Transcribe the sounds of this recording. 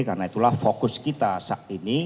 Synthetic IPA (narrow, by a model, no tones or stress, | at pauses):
karnait̪ulahfokʊskit̪asaʔ̚t̪ini